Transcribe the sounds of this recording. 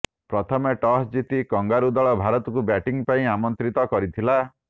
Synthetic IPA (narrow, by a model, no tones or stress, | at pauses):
pɾɔt̪ʰɔmeʈɔɦd͡ʒit̪ikɔŋɡaɾud̪ɔɭɔbʱaɾɔt̪ɔkubɛʈiŋpaĩamɔnt̪ɾit̪ɔkɔɾit̪ʰila